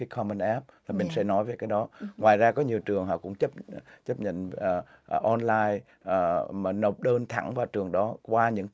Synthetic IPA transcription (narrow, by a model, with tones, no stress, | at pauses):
i˨˦kʰɔ˧mə˧nʔɛ˦˥p̚laː˨˩mi˨˩ŋ̟sɛ̰˧˥nɔ˨˦jveː˨˩kaː˨˦jɗɔ˨˦ŋwaː˨˩jzaː˧kɔ˨˦ɲi˨˩əwt͡ɕɨ˨˩əŋɦɔ̰˧˨˩kʊ̰˧˥ŋ͡mt͡ɕə˦˥p̚t͡ɕə˦˥p̚ɲə̰˧˨nː˨˩˨ | ʔɔ˧nlaː˧j | ʔːmaː˨˩nə˨˩wk͡p̚ɗəː˧nt̪ʰa̰˧˩ŋvaː˨˩wt͡ɕɨ˨˩əŋɗɔ˨˦kwaː˧ɲɨ̰˧˥ŋ